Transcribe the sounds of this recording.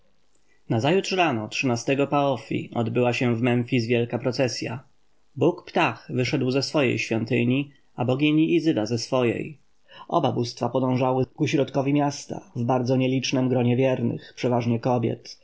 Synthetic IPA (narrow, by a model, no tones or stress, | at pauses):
nazajutʂɾanɔtʂɘnast̪ɛɡɔpaɔfʲḭɔ̰d̪bɘwaɕɛ̃vmɛɱfʲizvjɛlkapɾɔt̪sɛsʲja̰ | bukpt̪axvɘʂɛd̪wzɛsfɔjḛjɕfʲjɔnt̪ɘɲi | abɔɡʲiɲiʔːzɘd̪azɛsfɔjḛj | ʔɔ̰babust̪fapɔd̪ɔ̃w̃ʐawɘkuɕɾɔt̪kɔvʲimjast̪a̰vbaɾd̪zɔɲɛlʲit͡ʂnɛmɡɾɔɲɛvʲjɛɾnɘ̰xpʂɛvaʐɲɛkɔbʲjɛ̰t̪